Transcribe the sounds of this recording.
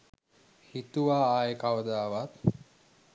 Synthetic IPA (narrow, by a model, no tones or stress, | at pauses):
hit̪uʋaːaːjəkaʋəd̪aːʋat̪